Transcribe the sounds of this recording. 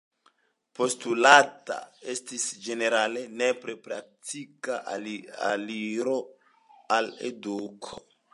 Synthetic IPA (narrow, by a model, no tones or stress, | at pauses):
po̞stulata̰e̞stisd͡ʒe̞ne̞ɾale̞nepɾepɾa̰k̚tikaʔa̰liɾo̞ | alḛdukʰo